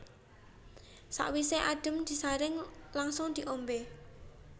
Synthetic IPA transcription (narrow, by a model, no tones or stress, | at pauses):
sa̰ʔwiseʔaɖ̥ə̤md̪̥i̤saɾɪŋlaŋsʊŋd̪̥i̤ʔombe